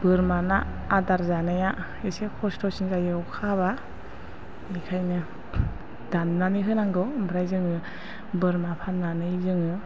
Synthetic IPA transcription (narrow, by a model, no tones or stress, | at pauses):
b̥ɯɾmanaː | daɾzanaja | esekʰɔstɔsinzajɯwkʰaβa | ikʰajnɯ | danːaniɦɯnaŋɡɯmbɾajzɯŋɯ | bɯɾmapʰanːanɯjzɯŋɯ